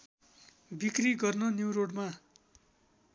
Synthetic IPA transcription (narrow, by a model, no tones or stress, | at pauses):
bikriɡʌrnʌnjuwɾoɽma